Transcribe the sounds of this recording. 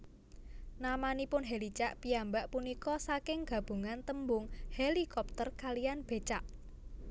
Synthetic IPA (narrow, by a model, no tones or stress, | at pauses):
namanipʊnɦelit͡ʃaʔpijambaʔpunikɔsakɪŋɡ̥ä̤b̥ṳŋant̪əmbʊŋhelikɔp̚t̪ərkalijanb̥e̤t͡ʃaʔ